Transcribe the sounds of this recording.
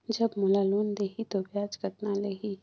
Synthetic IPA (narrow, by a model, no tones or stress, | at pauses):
d͡ʒɐbmʊlaluːnd̪eːɦit̪objaːd͡ʒkət̪nalɐɡi